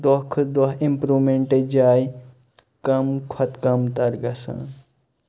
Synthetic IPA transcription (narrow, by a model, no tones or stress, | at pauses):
d̪okʰɨd̪ɐɦimpɾuːmeɳʈed͡ʒaːj | kɐmkʰwɐt̪kɐmt̪ɐɾɡɐsã̰ː